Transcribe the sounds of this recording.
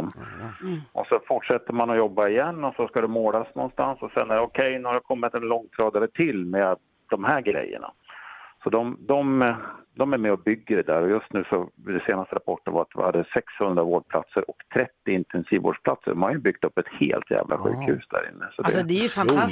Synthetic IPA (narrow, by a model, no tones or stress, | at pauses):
m | ʔɔsɔfʊʈʂɛt̪ːəmanɔjɔbːaɪjɛnːɔsɔskad̪ɛmoːlasnɔ̰nst̪ansɔsɛnːæɖɔkʰɛjnʉhaɾakʰɔmːɪt̪ɛnlɔŋːt̪ʰɾɑːd̪aɾət̪ʰɪlːmɛ | d̪ɔmɦæɾɡɾɛ̰jːə̰ɳa̰sɔd̪ɔmd̪ɔmd̪ɔmæɾmɛɔbʏɡːəɖɛd̪æːɾɔjɵst̪nʉ̟ːsɔɪd̪ɛseːnast̪əɾapʰɔʈːənva̰ɾat̪vɪ̰had̪ːəsɛkshɵnd̪ɾavoːɖpʰla̰t̪səɾʔɔkt̪ʰɾɛt̪ːɪɪnt̪ʰɛnsiːvo̰ːɖʂpʰlat̪sə̰ɖɔmhaɾjɵbʏɡ̥t̪ɵpːɛt̪hḛːlt̪ʰjæ̰ːvlʔa̰ɧʉ̟̰ːkhʉ̟ːsd̪æ̰ːɾɪ̰nːəsɔd̪ɛsd̪ɛjfa